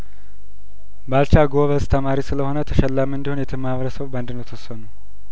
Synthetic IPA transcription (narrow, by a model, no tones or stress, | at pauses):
balt͡ʃaɡoβəst̪ʰəmaɾisɨləho̞nət̪ʰəʃɛlːamɨnd̪ihonjɛt̪ʰɨmaβəɾəsəβband̪ɨnəwt̪ʰəsːənu